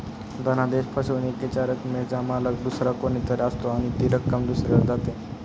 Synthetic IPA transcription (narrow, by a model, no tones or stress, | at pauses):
d̪ənad̪eɕpʰəɕeʋneket͡ɕaɾət̪med͡zamalək̚d̪usɾakonit̪əɾəst̪oaɽ̃it̪iɾəkːəmd̪usɾeɾd͡zat̪e